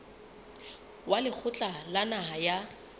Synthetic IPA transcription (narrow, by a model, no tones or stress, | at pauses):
walɪk͡xʰʊt͡ɬʼalanaɦaja